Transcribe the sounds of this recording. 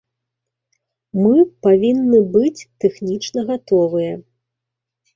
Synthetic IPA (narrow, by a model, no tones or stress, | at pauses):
mɨpavʲinːɨbɨt͡sʲt̪ɛxnʲit͡ʂnɐɣat̪ɔvɨjɐ